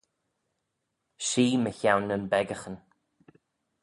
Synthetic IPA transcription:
ʃiːməçawnːənbɛɡəxən

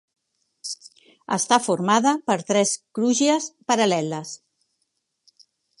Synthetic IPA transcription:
ə̰st̪afuɾmaðəpəɾt̪ɾɛskɾuʒəspəɾəlɛləs

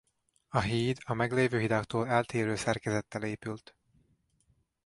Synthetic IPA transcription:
ɒɦiːd̪ɒmɛɡleːvøːɦid̪aːkt̪oːlɛlt̪eːɾøːsɛrkɛzɛt̪ːɛleːpylt̪

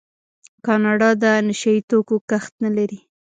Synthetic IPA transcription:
kɑnɑɖɑd̪ənɪʃait̪okokaxt̪nalaɾi

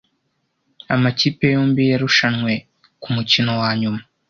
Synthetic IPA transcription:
amacipejoːmbijaɾuʃanŋwe̞ | kumucino̞waːɲuma

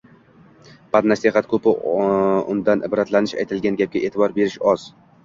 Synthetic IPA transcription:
b̥ad̪naseχat̪kʰɵpɪ | ʊ̰nd̪anʔɪ̰bɾat̪lanɪʃa̰jt̪ʰɪlɡʲanɡʲap̚kʲaʔeːt̪ʰɪbɒɾbe̞ɾɪʃɒz̥

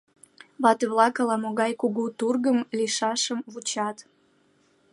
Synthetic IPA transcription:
βɑt̪əβlɑkəlɑmoɣɑjkuɣut̪urɣəmliʃɑʃəmβut͡ɕɑt̪

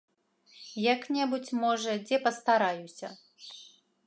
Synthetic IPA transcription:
jaknʲɛbut͡sʲmɔʐɐd͡zʲɛpɐst̪aɾajusʲɐ

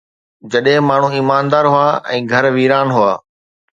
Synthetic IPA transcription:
d͡ʑɐɗɦɪ̃maːɳ̤ũːiːmaːnd̪aːɾɦʊaːʔɛ̰̃ːɡʱɐɾʋiːɾaːnɦʊaː

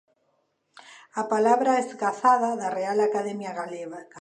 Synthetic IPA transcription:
apalaβɾaezɡaθaðaðarealakaðemjaɣaleβa

